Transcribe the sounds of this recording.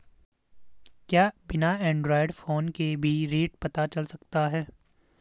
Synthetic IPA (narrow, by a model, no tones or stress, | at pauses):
kjaːbɪnaɛ̃ːɳɖɾɔːɪɖfoːnkebʱiɾeːʈpɐt̪at͡ʃɐlsɐkt̪aɦɛː